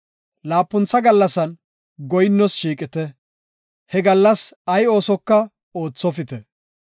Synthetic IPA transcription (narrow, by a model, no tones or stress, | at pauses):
laːpːʊnt͡sːɐɡɐlːɐsɐn | ɡɔjɪnːɔsʃiːkʼɪt̪ɛ | hɛɡɐlːɐsɐjo̞ːsɔkːɐ | o̞ːt͡sːɔfɪt̪ɛ